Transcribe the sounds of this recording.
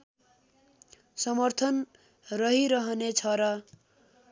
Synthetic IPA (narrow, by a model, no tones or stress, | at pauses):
sʌmʌrt̪ʰʌn | rʌɦiɾʌɦʌnet͡sʰʌɾʌ